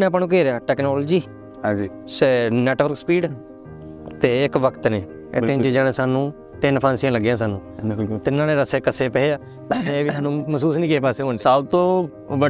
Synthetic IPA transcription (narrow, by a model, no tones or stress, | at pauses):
nẽːpːnũːk̬eːɾaːʈɛːknɔːlːd͡ʒiː | ad͡ʒiː | snɛːʈʋəɾkspiːɖ | t̪eːɪkʋəkt̪neː | ɪ̰t̪ːẽt͡ʃid͡ʒaːnẽːsaːnũː | t̪ɪnpʰãːnsijãːləɡːãːsaːnũːt̪ɪnːãːnẽːɾəseːkəseːpɛeaː | eːʋiːɦaːnũːməsuːsnĩːkeːpaːseːɦoːnːsaːt̪õː | bə